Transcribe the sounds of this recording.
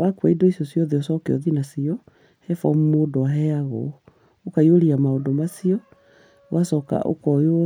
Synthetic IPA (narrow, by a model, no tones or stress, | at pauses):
wakwaidoisjɔsiɔðeɔsɔkeɔ̰ðinasiɔ | hɛfɔmumoːdɔaɦɛaɣɔ̰ | okaioɾiamaodɔmasiɔ | wʔasɔka̰ʔo̰kɔjoɔ